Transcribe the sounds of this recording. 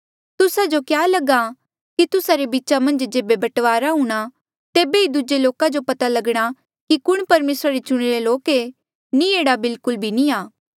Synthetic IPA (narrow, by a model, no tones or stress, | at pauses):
t̪ʊsad͡ʒokjaːlɐɡa | kit̪ʊsaɾebitːt͡ʃamɐ̃nd͡ʒd͡ʒeːbebɐʈʋaːɾaɦuːɽ̃a | t̪eːbeid̪ʊd͡ʒeloːkad͡ʒopɐt̪alɐɡɽ̃a | kikʊɽ̃pɐɾmeːsɾaɾet͡ʃʊɽ̃iɾeloːke | nieːɽabɪlkʊlbʱiniaː